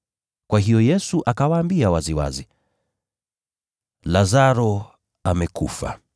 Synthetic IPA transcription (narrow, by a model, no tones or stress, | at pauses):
kwaɦijɔjɛsuʔakawaːmbiawaziwa̰zi | lazaɾɔ | amɛkṵfa̰